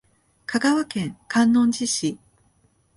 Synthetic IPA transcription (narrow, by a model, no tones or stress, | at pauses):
kʰaɡaβakẽ̞ŋkʰãnːõ̞ɲd͡ʑiɕi